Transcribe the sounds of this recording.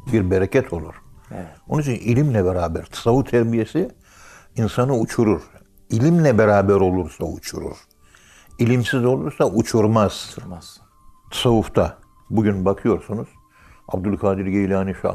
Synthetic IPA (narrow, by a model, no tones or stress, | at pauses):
biɾbeɾecʰɛt̪ʰo̞lˠuɾ̥o̞nuit͡ʃʰinilʲimlʲɛbɛɾaːbæɾt̪ʰḁsavuft̪ʰːɛɾbije̞si | insanɯut͡ʃʰuɾuɾ̥ | ilʲimlʲɛbeɾaːbɛɾo̞lˠuɾsaut͡ʃʰṵɾṵɾ̥ | ilʲimsizo̞lˠuɾsaʔut͡ʃʰuɾmaz̥ | t̪ʰḁsavuft̪ʰa | buɟynbakʰɯjo̞ɾsunuz̥ | a̰b̚d̪ulʲˠkʰaːd̪iɾɟejilʲaːniʃa̰